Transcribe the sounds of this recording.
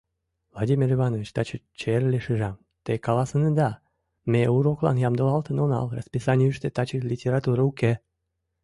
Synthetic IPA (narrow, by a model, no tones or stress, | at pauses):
vlˠadʲimʲirivɑnovʲit͡ɕt̪ɑt͡ɕət͡ɕerleʃɨʒɑm | t̪ekɑlɑsənəd̪ɑ | meuɾoklɑ̰njɑmd̪əlɑlt̪ənonɑ̰lrɑ̰spisɑnʲiyʃt̪et̪ɑt͡ɕəlʲitʲeɾɑt̪uɾəuke